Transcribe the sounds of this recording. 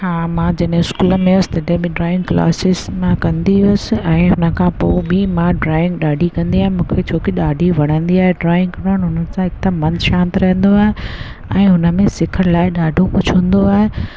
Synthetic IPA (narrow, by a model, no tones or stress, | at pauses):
haːmãd͡ʑɐɗẽɪskuːləmẽʊsɪ̥t̪ɐɖɦbiɖɾaːɪ̃ŋɡkla̰ːsɪsmãkɐ̃nd̪iʊsɪ̆ɛ̃ːɦʊnə̆kʰãpoːbʱimãɖɾaːɪ̃ŋɡɗaːɖʱikɐ̃nd̪iaːɦẽmũːkʰet͡ɕʰoːkiɗaːɖʱiʋɐɽ̤̃ə̃nd̪iaːɦeɖɾaːɪ̃ŋɡkɐnəñɦʊnəsãɪkt̪əmmɐ̃nʃãːnt̪ɪɾɐɦə̃nd̪oaːɦe | ɛ̃ːɦʊnə̆mẽsɪkʰəɾlaːɪɗaːɖʱopʊd͡ʑʱʰũːnd̪oaːɦe